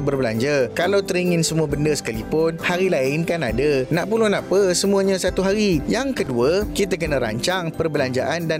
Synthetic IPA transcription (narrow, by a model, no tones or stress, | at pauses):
bərbəla̰ɲd͡ʒakalawt̪əɾiŋɪ̃nsəmuabəndəsə̥kalipʊnhaɾilaɪnkanadənãʔpulonãʔpəsəmũəɲãsat̪uɦaɾijaŋkəduəkit̪̬akənə̃ɾa̰ɲt͡ʃaŋpərbəlaɲd͡ʒa̰ʔanda